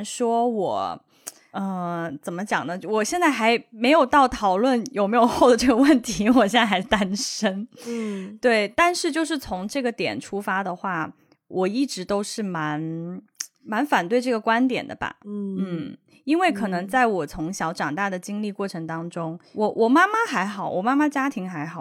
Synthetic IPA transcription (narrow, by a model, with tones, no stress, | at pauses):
ʂwɔ˥wɔ̰˨˩˦ | ə˧t͡sə˨˩nmə˦t͡ɕjɑ̰˨˩ŋnə˦˥wɔ˨˩ɕjɛ˥˧nt͡sa˥˩ɪxa˧˥ɪme˧˥ɪjo˨˩ʊt̪ɑ˥˩ʊt̪ʰɑ˨˩ʊlwə˥˩njo˨˩ʊme˧˥ɪjo˨˩ʊxo˥˩ʊd̪ə˩ʈ͡ʂɤ˥˩ɡə˩wə˥˩nt̪ʰi˧˥wɔ˨˩ɕjɛ˥˩˧xa˧˥ɪ˩t̪a˥nʂə˥n | t̪we˥˩ɪt̪a˥˧nʂɻ̩˥˧t͡ɕjo˥˧ʊʂ̬ɻ̩˥˩t͡sʰʊ˧˥ŋʈ͡ʂɤ˥˩ɡə˩t̪jɛ̰˨˩nʈ͡ʂʰu˥fa˥d̪ə˨xwa˥˩ | wʔɔ˨˩i˥˩ʈ͡ʂɻ̩˧˥t̪o˥ʊʂɻ̩˥˩ma˧˥n | ma˧˥nfa˨˩nt̪we˥˧ɪʈ͡ʂɤ˥˩ɡə˩kwa˥nt̪jɛ̰˨˩nd̪ə̰˦ba̰˩n̩˥˩ | i˥nwe˥˩ɪkʰɤ˨˩nɤ˧˥ŋt͡sa˥˩ɪwɔ˨˩t͡sʰʊ˧˥ŋɕjɑ˧˥ʊʈ͡ʂɑ˨˩ŋt̪a˥˩d̪ə˩t͡ɕi˥ŋli˥˧kwɔ˥˩ʈ͡ʂʰɤ˧˥ŋt̪ɑ˥ŋʈ͡ʂʊ˥ŋwɔ˧˩wʔɔ˨˩ma˥ma˧xa˧˥ɪxɑ˨˩˦ʊwɔ̰˨˩ma˥ma˧˥t͡ɕja˥t̪ʰi˧˥ŋxa˧˥ɪxɑ˨˩˦